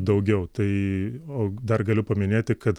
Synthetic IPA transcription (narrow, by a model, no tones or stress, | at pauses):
d̪ɐʊɡʲɛʊt̪ɐɪoːd̪ɐrɡɐlʲʊpɐmʲɪnʲeːt̪ʲɪkɐt̪